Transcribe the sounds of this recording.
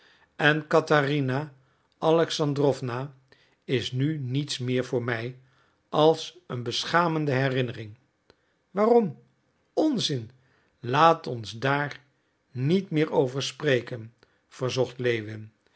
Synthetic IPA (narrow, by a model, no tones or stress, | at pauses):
ɛnkɑtarina | ʔɑlɛksɑndrɔfna | ɪsnynitsmɪːɹvʊːɹmɛj | ʔɑlˠsənbəsχaːməndəɦɛrɪnərɪŋ | ʋaːrɔm | ɔnzɪn | laːtɔnzdaːɹ | nitmɪːɹowvəɹsprejkən | v̥əɹzɔχtlejʋɪn